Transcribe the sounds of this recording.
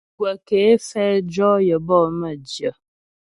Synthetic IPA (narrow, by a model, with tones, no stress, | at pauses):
ɡwə˨keː˨˦fɛ˦d͡ʒɔ˦jə˨bɔ˦˨mə˦˨d͡ʒjə˨